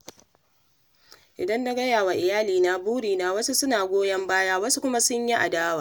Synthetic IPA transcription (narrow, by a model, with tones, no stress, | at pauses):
ʔɪ˨dɐ˦nːa˦ɡɐ˦jaː˨wa˨ʔɪ˨jaː˦liː˨na˨buː˦ɽiː˨na˨wɐ˦su˦sʊ˦naː˨ɡʷoː˦jɐ˦mbaː˦jaː˦wɐ˦su˦kʷʊ˦ma˦sʊ˦ɲji˦ʔa̰˨daː˦waː˨